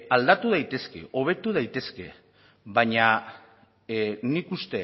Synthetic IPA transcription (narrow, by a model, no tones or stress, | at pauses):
ald̪at̪uð̞ajt̪e̞ske̞̰ʔo̞β̞e̞t̪uð̞ajt̪e̞ske̞̰ | βaɲa | nikust̪e̞